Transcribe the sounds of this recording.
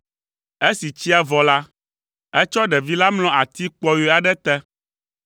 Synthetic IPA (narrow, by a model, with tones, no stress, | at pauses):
e˦si˨t͡ɕi˦a˨vɔ˨la˦ | ɛ˦t͡ʃɔ˦ɖɛ˨vi˦la˦mlɔ̃˨a˨t̪i˦k͡pɔ˦jo˦a˨ɖɛ˦t̪ɛ˦